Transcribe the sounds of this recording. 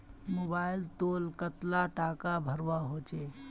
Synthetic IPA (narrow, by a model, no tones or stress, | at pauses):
mobailt̪olkət̪laʈakabʱəɾwaɦot͡ʃɛ